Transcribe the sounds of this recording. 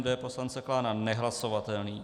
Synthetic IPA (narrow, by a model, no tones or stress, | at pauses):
d̪ɛɛpo̞slant͡ssɛklaːnanɛɦlaso̞vat̪ɛlniː